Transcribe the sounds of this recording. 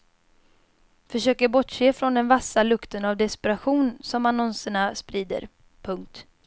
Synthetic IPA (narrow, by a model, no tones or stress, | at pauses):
fœʂøːkəɾbɔʈʂeːfɾɔnd̪ɛnvasːalɵkt̪ənavd̪ɛspɛɾaɧuːnsɔmanɔnsəɳaspɾiːd̪ə̰ɾ | pʰɵŋk̚t̪